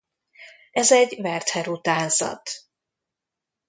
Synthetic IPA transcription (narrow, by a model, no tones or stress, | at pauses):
ɛzɛɟvɛrt̪hɛɾut̪aːnzɒ̰t̪